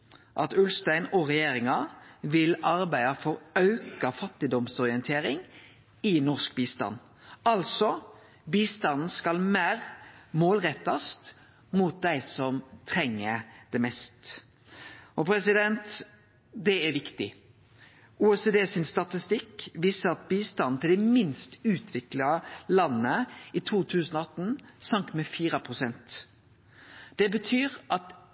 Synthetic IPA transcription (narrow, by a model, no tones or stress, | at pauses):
ʔɑt̪ʉlst̪æɪnɔʁɛjeːɾɪŋɑʋɪlɑɾbæɪɑfɔɾɑʉkɑfɑt̪ːɪd̪ɔmsɔʁɪɛnt̪ʰeːɾɪŋ | ɪnɔʁskbiːst̪ɑ̰n | ɑlsɔ | biːst̪ɑnn̩skɑlmæːʁmoːlʁɛt̪ːɑst̪ | muːt̪̚d̪æɪsɔmt̪ʰɾɛŋːəd̪̥ɛmɛst̪ | ɔpʰɾɛsɪd̪ɛnt̪ | d̪ɛæɾʋɪkt̪ɪ | uːɛsed̪eːsɪnst̪ɑt̪ɪst̪ɪkːʋiːsəɾɑt̪̚biːst̪ɑnn̩t̪ʰɪld̪ɛmɪnst̪ʉːt̪ʰʋɪklɑlɑnːəit̪ʰuːt̪ʰʉːsənɔɑt̪n̩sɑŋk̚t̪mɛfiːɾəpʰʁʊsɛnt̪ | d̪̥ɛbət̪ʰyːʁʔɑt̪